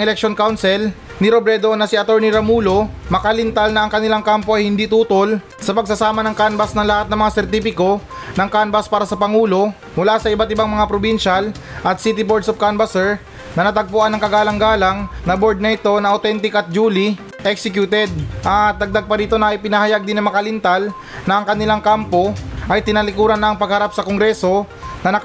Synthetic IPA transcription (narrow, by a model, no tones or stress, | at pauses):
ɛlɛk̚ʃonkawnsɛl | nɪɾobɾɛd̪o̞nɐsɪʔɐt̪oɹniɾɐmuːlo̞mɐkɐlɪnt̪alnɐɐŋkɐnɪlaŋkampoʔɐjhɪnd̪iːt̪uːt̪o̞l | sɐpɐɡ̚sɐsaːmɐnɐŋkanbɐsnɐŋlɐhat̪nɐŋmɐŋasɛɾt̪iːfɪko̞nɐŋkanbɐspaːɾɐsɐpɐŋuːlo̞ | mʊlasɐʔɪbat̪ɪbaŋmɐŋapɾobinʃal | ʔɐt̪̚sit̪ɪbod̪sofkanbɐsɛɹ | nɐnɐt̪ɐɡ̚pʊʔanːɐŋkɐɡaːlɐŋɡaːlɐŋnɐbo̞ɹd̪̚nɐʔɪt̪o̞nɐʔɐot̪ɛnt̪ɪkɐt̪̚d͡ʒuːli | ʔɛksɛkjut̪ɛd̪̚ʔɐd̪ɐɡ̚d̪aɡ̚pɐɾiːt̪o̞nɐʔɪpɪnɐhɐjaɡ̚d̪ɪnːɐŋmɐkɐlɪnt̪al | nɐɐŋkɐnɪlaŋkampo̞ʔɐjt̪ɪnɐlɪkuːɾɐnːɐʔɐŋpɐɡhɐɾap̚sɐkoŋɡɾɛso̞ | nɐnɐ